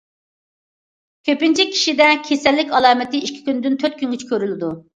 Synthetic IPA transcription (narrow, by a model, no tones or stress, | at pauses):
kʲʰøpɪnt͡ʃʰikʲʰi̥ʃid̪ɛkʲʰesɛlːɪkʲɑlˠɑːmɪt̪ɪiʃkʲʰi̥kʲynɪd̪ynt̪ʰøt̪̚kʲʰyŋɡʲyt͡ʃʰi̥kʲøɾylɪd̪u